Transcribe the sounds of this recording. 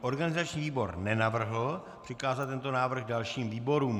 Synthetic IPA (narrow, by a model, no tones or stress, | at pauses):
ʔo̞ɾɡanɪzat͡ʃɲiːviːbo̞ɾnɛnavr̩ɦlo | pr̥ɪkaːzat̪t̪ːɛnt̪o̞naːvr̩ɣdalʃiːmviːbo̞ɾuːm